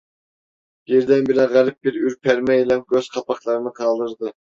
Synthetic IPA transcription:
jeɾd̪ɛnbɪlɛnʁæɾɪp̚bɪɾyɾpʰæɾmɛjilɛmɡʲøz̥qʰɑpɑχlˠɑɾɨnɨqʰɑlˠd̪ɨɾd̪ɨ

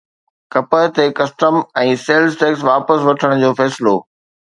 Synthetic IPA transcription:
kɐpəɦt̪ekɐsʈəmɛ̃ːseːlzʈeːksʋaːpəsʋɐʈʰəɽ̃ʊd͡ʑoːfɛːsɪloː

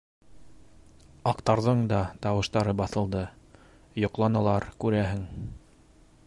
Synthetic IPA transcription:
ɑqt̪ɑɾðɤɴd̪ɑt̪ɑwɤ̆ʃt̪ɑɾɤbɑθɤ̆lˠd̪ɤ | jŏqlˠɑnɑlˠɑɾkʉɾæɦɘŋ

